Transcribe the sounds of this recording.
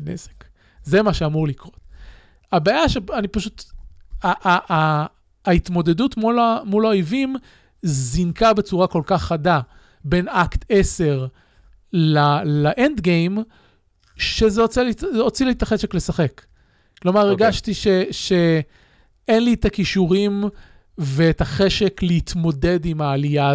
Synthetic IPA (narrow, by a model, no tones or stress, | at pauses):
nḛze̥k | zemaʃeamuʁlikʁo̞t̪̚ | abaːjaʃeanipaʃut̪aʔ | it̪mo̞d̪e̞dut̪mulamulaojvim | zinkabet͡suʁako̞lkaχada | be̞nakt̪ʰe̞se̞ʁ | lalaʔend̪ɡejm | ʃezeot͡selio̞t͡silit̪aχeʃe̞kle̞saχe̞kː | lo̞maʁeɡaʃt̪iʃeʃe | enlit̪akiʃuʁim | veːtaχe̞ʃe̞kleit̪mo̞de̞dimaːlija